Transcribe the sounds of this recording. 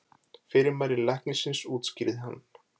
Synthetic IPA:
fɪɾɪɾmaːjɾɪlɛhknɪsɪnsuːt̪scɪɾðɪɦa̰nː

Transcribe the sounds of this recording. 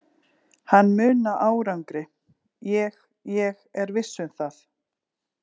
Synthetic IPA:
hanːmʏːnaʔaːwɾawŋkɾɪ | jɛɣ | jɛɣɛɾvɪsːʏmθaθ

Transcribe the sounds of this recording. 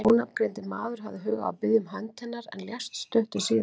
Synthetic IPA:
unap̚kɾɛjnt̪ɪmaːðʏɾ̥ɦa̰vðɪɦœːɣa̰a̰wpɪðjʏmɦant̪ʰhɛnːaɾɛ̰nljast̪st̪œht̪ʏsiːð

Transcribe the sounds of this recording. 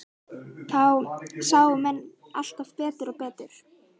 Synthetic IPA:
θawsaːwʏmɛnː | a̰l̥t̪avpɛːt̪ɪɾɔɣpɛːt̪ɪɾ̥

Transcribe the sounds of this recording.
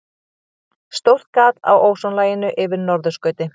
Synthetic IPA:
st̪owr̥t̪̚kaːt̪a̰wʔowsɔnlaːjɪnʏʔɪvɪɾnɔɾðʏskœːɥt̪ɪ

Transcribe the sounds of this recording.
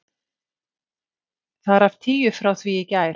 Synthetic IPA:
θaðɾaft̪ʰiːjʏfɾawθviɪcaːjɾ

